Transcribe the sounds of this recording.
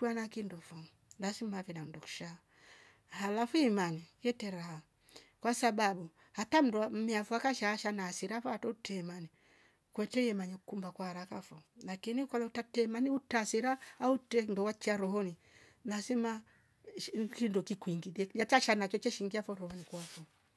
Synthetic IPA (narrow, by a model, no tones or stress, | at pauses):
wanakindɔfɔ | nasimavɛnam̩udɔku̥ʃa | halafuimanijɛtɛɾaa | kwasabaɓu | hatam̩duamɛafuakaʃaːʃanasiɾafɔatɔutɛmani | kwɛtɛjɛmaɲɛkukumbakwaɾakafɔlakinikalautatɛmaniutasiɾaːutɛndɔwat͡ʃiaɾɔhɔni | nasima | kindɔkikwiŋɡidɛat͡ʃaʃanat͡ʃɔt͡ʃɛʃiŋɡiafɔɾɔhɔnikwafɔ